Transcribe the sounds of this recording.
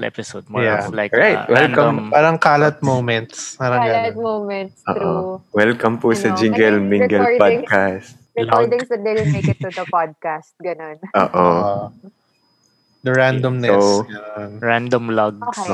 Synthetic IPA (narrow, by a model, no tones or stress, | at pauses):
lɛ̰pɪsod̪̚mjalaɹajt̪wɛlkɐmpaːɾɐŋkaːlɐt̪̚mowmɛnt̪spaːɾɐŋɡamomɛnt̪so̰ːʔowɛlkɐmpʊsɐd͡ʒɪŋɡɛlmɪ̃ɡɛlpakast̪lɐɡd̪ɪŋsɐd̪eleɪt̪ːud̪ɐpad̪̚kast̪̚ɡɐnonʔo̰ːʔo | d̪ɐɹand̪omnɛoɡɐnonɹand̪omlɐɡs